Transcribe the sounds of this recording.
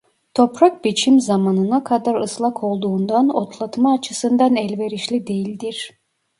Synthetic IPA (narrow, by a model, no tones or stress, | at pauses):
t̪ʰo̞pʰɾak̚bit͡ʃʰimzamanɯnakʰad̪aɾɯslˠakʰo̞lˠd̪uːnd̪anot̪ʰlˠat̪maːt͡ʃʰɯsɯnd̪anɛlʲve̞ɾiʃlʲid̪e̞jilʲd̪iɾ̥